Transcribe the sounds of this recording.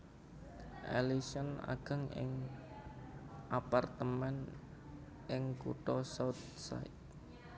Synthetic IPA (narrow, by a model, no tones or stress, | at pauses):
ʔelisəna̰ɡ̥a̤ŋɪ̰ŋ | ʔapart̪əmɛn | ʔɪŋkṵʈ̪ɔsawt̪̚ | sa̰ɪt̪